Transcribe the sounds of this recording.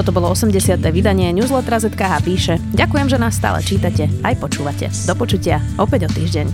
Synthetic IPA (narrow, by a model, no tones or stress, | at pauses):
ɔt̪ɔbɔlˠɔɔsɛmɟɛsɪat̪ɛːʋid̪aɲɪɛɲuːzlɛt̪ɾazɛt̪kaɦaːpiːʃɛɟakujɛmʒɛnaːsːt̪a̰ːlɛ̰t͡ʃiːt̪acɛajpɔt͡ʃuːʋacɛ̰d̪ɔpɔt͡ʃucɪaʔɔpɛɟɔt̪iːʒɟɛɲ